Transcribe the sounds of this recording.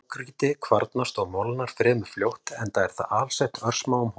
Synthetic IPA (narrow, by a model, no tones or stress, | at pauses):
kɾiːt̪ɪkʰvaɾt̪nast̪ɔɣmɔlnaɾ̥fɾɛːmʏ̥fljowht̪ɛnt̪aɛɾ̥θa̰ðaːlsɛht̪œɾr̥smaːwʏmh